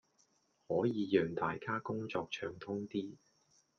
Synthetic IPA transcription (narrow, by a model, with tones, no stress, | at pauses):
hɔː˨˥jiː˨˧jœː˨ŋt̪aː˨˧jkaː˥kʊ˥ŋt͡sɔː˧k̚t͡ʃʰœː˧ŋt̪ʰʊ˥ŋt̪iː˥